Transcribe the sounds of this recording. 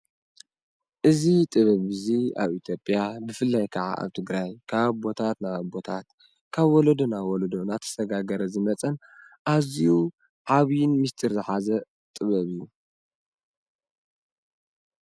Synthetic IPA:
ʔɨzit̪ʼɨβɐβɨzia̰βit̪ʰjo̞pʼjabɨfɨlːajkʰaʕa̰ʔa̰βt̪ʰɨɡɾajkʰaβbo̞t̪ʰat̪nabo̞t̪ʰat̪ | kʰaβwɔlod̪onawɔlod̪onat̪ʰɐ̥sɐɡaɡɐɾɐzɨmɐt͡sʼɐn | ʔaziju | ʕaβjɪnmist̪ʰʼɨɾzɨħazɐ | t̪ʼɨβɐβɨjːu

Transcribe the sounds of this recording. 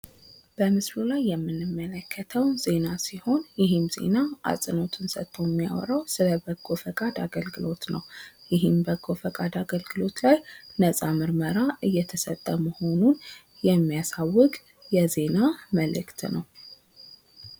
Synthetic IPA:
b̥əmɨslulajːɛmːɨnːɨmːələkʰːət̪ʰəwze̞nasiho̞njɪɦɨmze̞̰naʔa̰sʼɨno̞t̪ʰɨnsət̪ʰːo̞jɛmːija̰w̰ɾəwsɨləbəɡofəkʼad̪aɡəlɡɨlo̞t̪nə̰wjɪɦɨmbəɡːo̞fəkʼad̪aɡəlɡɨlo̞t̪lajnəsʼamɨɾməɾaʔɨjːɛt̪ʰəsət̪ʼːəməho̞nun | jɛmːijasawːɨkʼ | jɛze̞naməlɨ̰kt̪nə̰w

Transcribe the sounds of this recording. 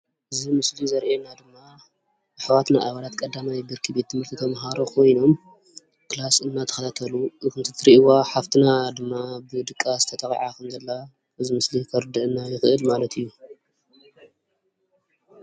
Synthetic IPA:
ʔɨzimɨslizɐɾʔenad̪ɨmːa | bɨħwat̪naʔaβalat̪kʼɐd̪ːamajbiɾkʰibe̞t̪ːɨmɨɾt̪ʰit̪ʰɐmɦaɾo̞kʰo̞jno̞m | kɨlasɨnːat̪ʰɐxɐt̪ʰat̪ʰɐluʔɨkɨnt̪ʰɨt̪ʰɨɾiwaħaft̪ʰinad̪ɨmːabɨd̪ɨkʼːazɨt̪ʰɐt̪ʰɐxʼiʕakʰɐmzɐlːa | ʔɨzimɨslikʰɐɾɨd̪ɨʔɨnːajɪxʔɨlmalɐt̪ʰɨjːu

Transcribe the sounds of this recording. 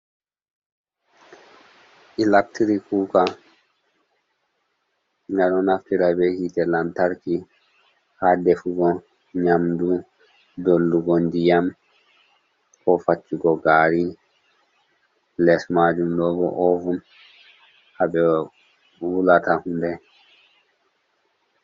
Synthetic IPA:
ʔilak̚tiɾikuːka | ŋɡanɔnaftiɾabɛhitɛlantaɾki | hadɛfuɡɔ | ɲamdu | dolːduɡɔndijam | kɔfat͡ʃːiɡɔɡaɾi | lɛsmad͡ʒumlɔɡɔ̰ʔɔvun | abɛ | wulatahundɛ

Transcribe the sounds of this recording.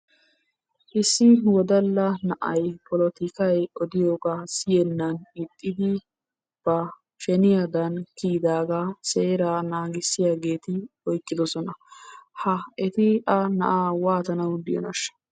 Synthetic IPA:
ʔɪsːɪwɔd̪ɐlːɐnɐʔɐjpɔlɔt̪ɪkɐjɔd̪ɪjoːɡaːsɪjɛnːɐnɪt̪ʼːɪd̪ɪ | b̥ɐ | ʃɛnɪjad̪ɐnkiːd̪aːɡaseːɾaːnaːɡɪsːɪjaːɡe̞ːt̪ɪɔjkʼːɪd̪ɔsɔnɐhɐɛt̪ɪɐnɐ̰ʔawaːt̪ɐnɐwd̪ɪjɔ̰nɐʃːɐ̥

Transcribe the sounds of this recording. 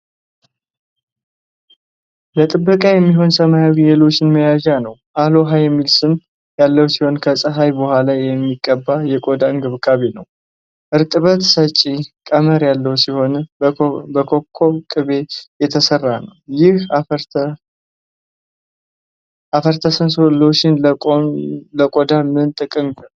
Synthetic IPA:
bət̪ʼɨbːəkʼajɛmːiɦo̞nsəmajawijelo̞t͡ʃːɪnməjaʒanəwʔalo̞ɦajɛmːilsɨm | jalːəwsiho̞nkʰəsʼəɦajbəhʷalajjɛmːiɡʼːəbːajɛkʼod̪anɡɨβkʼaβenəw | ʔɨɾt̪ʼɨβət̪sət͡ʃʼːikʼəməɾjalːəwsiho̞n | bəkʰo̞kʰːo̞kʼɨβe̞jɛt̪ʰəsərːanəwjɪha | ʔafəɾt̪ʰəsənsloʃɪnʼoləkʼod̪amɨnt̪ʼɨkʼɨmɡɨɾ

